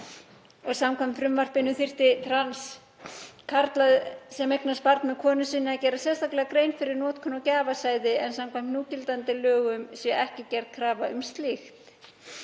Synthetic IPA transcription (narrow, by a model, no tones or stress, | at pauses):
ɔɣsamkʰajmt̪fɾʏmvar̥pɪnʏθɪr̥t̪ɪt̪ʰɾans | kʰaɾt̪laðsɛmejknaspaɾt̪nmɛðkʰɔːnʏsɪnːɪacɛːɾasjɛst̪aklɛɣakɾeːjnfɪɾɪɾnɔːt̪kʰɔnɔcaːvasaːjðɪɛnsamkʰvam̥t̪uːcɪlt̪ant̪ɪlœːɣʏmsjɛɛhcɪcɛɾt̪̚kʰɾaːvaʏ̰mst̪lɪxt̪